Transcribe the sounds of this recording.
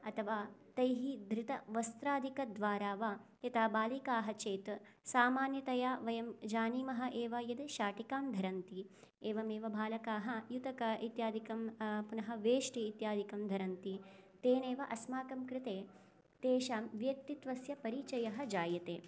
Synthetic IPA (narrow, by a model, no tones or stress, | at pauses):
ɐt̪ʰɐʋaːt̪ɐjɦid̪ʱɾɪt̪ɐʋɐst̪ɾaːd̪ʱikɐd̪ʋaːɾaːʋajɐt̪aːbaːlikaːɦɐt͡ʃeːt̪ | saːmaːnjɐt̪ɐjaːʋɐjɐmd͡ʒaːniːmɐɦɐʔeːʋɐjɐd̪eʃaːʈikaːmd̪ʱɐɾɐnt̪i | eːʋɐmeːʋɐbʱaːlɐkaːɦɐjut̪ɐkɐit̪jaːd̪ʱikɐmpunɐɦɐʋeːʂʈiːt̪jaːd̪ʱikɐmd̪ʱɐɾɐnt̪it̪eːneːʋɐʔɐsmaːkɐmkɾɪt̪eː | t̪eːʃaːmʋjɐk̚t̪it̪ʋɐsjɐpɐɾit͡ʃɐjɐɦɐd͡ʒaːjɐt̪eː